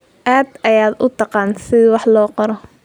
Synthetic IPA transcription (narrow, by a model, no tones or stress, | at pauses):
ʔaːd̪ɐjaːd̪ʊt̪ʰɑqɑːnsɪðwɑħlɔːqɔɾɔ